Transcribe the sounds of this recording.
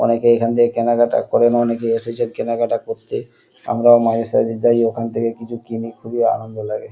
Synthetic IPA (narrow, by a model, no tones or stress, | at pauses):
ɔ̰nekeekʰant̪ʰekekɛnaɡaʈa̰kɔɾenɔnek̬eeset͡ɕeɾkɛnaɡaʈakoɾt̪e | a̰mɾaomad͡ʑesa̰d͡ʑed͡ʑajokʰant̪ʰekekit͡ɕʰukinikʰubia̰nond̪olaɡe